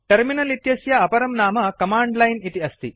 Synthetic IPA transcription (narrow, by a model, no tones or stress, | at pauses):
ʈɐɾminɐlit̪jɐsjɐɐpɐɾɐmnaːmɐkɐmaːɳɖlɐjnit̪iɐst̪i